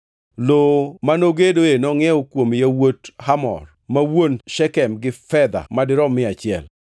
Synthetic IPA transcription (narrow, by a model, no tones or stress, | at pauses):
lomanoɡedoenɔŋɛɔkwomjawothamɔ̰r | mawonʃɛkɛmɡɪfɛd̪a̰madɪɾɔmɪat͡ʃɪɛ̰l